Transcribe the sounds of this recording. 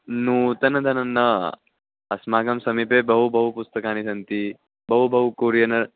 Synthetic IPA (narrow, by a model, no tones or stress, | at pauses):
nuːt̪ɐnɐd̪ʱɐnɐnːɐ | ɐsmaːɡɐmsɐmiːpebɐɦubʱɐɦupust̪ɐkaːnisɐnt̪i | bɐɦubʱɐɦukuːɾjɐnɐ